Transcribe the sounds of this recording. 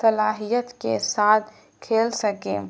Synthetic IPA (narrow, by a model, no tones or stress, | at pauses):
səlaːɦijət̪kḛsat̪ʰ | kʰelsəkḛ